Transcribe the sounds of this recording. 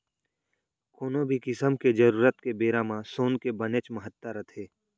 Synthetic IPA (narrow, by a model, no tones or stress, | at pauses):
koːnõbʱikɪsəmked͡ʒəɾuːɾət̪kebeːɾãːmãsoːnkebənet͡ʃməɦət̪ːəɾət̪ʰeː